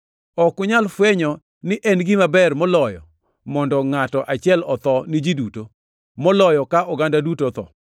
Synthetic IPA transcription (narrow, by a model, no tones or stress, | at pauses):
ɔkʊɲalfweɲɔ | nɪʔɛnɡɪmabɛrmɔlɔjɔ̰ | mɔndɔŋatɔʔat͡ʃɪɛlɔt̪ɔnid͡ʒiduto | mɔlɔjɔkaʔɔɡandadutot̪ɔ̰